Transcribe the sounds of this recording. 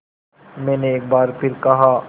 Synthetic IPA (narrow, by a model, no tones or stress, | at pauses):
mɛ̃ːneeːk̚baːɾpʰɪɾkɐɦaː